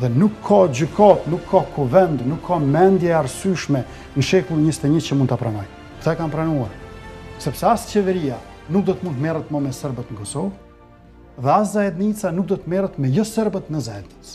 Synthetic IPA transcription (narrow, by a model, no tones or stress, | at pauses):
ðɛnukʰːɔd͡ʑykʰat̪nukʰːɔkʰuvɛnd̪nukʰːamɛnd̪jɛaɾsyʃmɛ | nʃɛkulˠiɲəsi̥t̪ɛɲət͡ɕəmund̪t̪apɾanɔj | kt̪aɛkampɾanuaɾsɛpsɛast͡ɕɛvɛɾia | nuk̚d̪ɔt̪əmunt̪mɛrət̪məmɛsəɾbət̪nəkɔsɔv | ðɛaszaɛd̪nit͡sanuk̚d̪ɔt̪əmɛrət̪mɛjɔsəɾbət̪nəzaɛd̪nit͡s